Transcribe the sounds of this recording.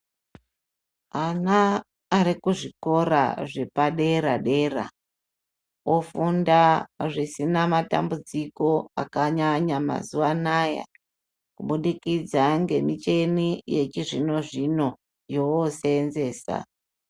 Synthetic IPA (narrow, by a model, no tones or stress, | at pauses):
anaː | ɾikuʐiko̞ɾa̰ʐe̞paɗe̞ɾaɗe̞ra̰ | ofundaʐisinamata̰mbud͡ziko̞a̰kaɲaɲama̰zuwanaja̰ | kuɓuɗikid͡zaŋɡe̞mit͡ʃe̞nije̞t͡ʃiʐino̞ʐino̞ | jowoseːnze̞ːsa̰